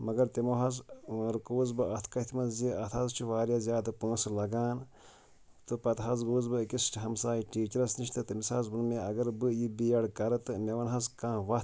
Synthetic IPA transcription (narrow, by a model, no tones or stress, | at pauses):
mɐɡɐɾt̪imoɦɐzɾɨkuːzbɨɐt̪ʰkɐt̪ʰmɐzziɐt̪ʰɐzt͡ʃʰiʋaːɾjaːzjaːd̪ɨpə̃ːsɨlɐɡaːn | t̪ɨpɐt̪ɦɐzɡuːzbɨkist͡ʃʰiɦɐmsaːiʈiːt͡ʃɐɾɐsniʃt̪ʰɨt̪ɨmisaːzbɨnmeɐɡɐɾbɨjibijɐɽkɐɾɐt̪ɨmʲeʋɐnɦɐzkãːʋɐ